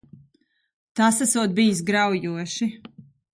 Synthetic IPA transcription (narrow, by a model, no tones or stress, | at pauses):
t̪asasuɔt̪̚bijsɡɾawjuɔʃi